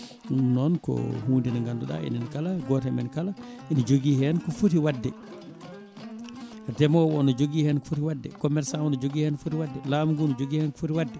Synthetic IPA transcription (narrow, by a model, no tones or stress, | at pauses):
nɔnkɔ̰hundinaŋɡanduɗa̰ʔḭnɛnkalaɡɔtɛmɛnkala | ʔinid͡ʒoɡihɛnkɔfutiwadːɛ | tɛmɔwɔnɔd͡ʒoɡiːhɛnkɔ̥futiwadːɛ̰kɔmɛɾsanɔnɔd͡ʒoɡiːhɛnfutiwadːɛlamɡunɔd͡ʒoɡiːhɛnkɔ̥futiwadːɛ